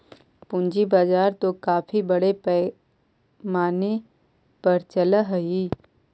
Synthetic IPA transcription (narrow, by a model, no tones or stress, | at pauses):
pʊ̃nd͡ʒibaːd͡ʒaːɾt̪okaːfʰibɐɽepɛ | maːne | pɐɾt͡ʃɐlaɦɐi